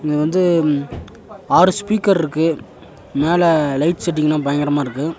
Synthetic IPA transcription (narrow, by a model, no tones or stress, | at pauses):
ɪŋɐʋɐnd̪ɯ | aːɾɯspiːkɐɾɪɾɯkːɯ | meːlɛlɐɪʈsɛʈ̬ːɪŋɡɐnãːpɐjɐŋɡɐɾɐmaːɪɾɯkːɯ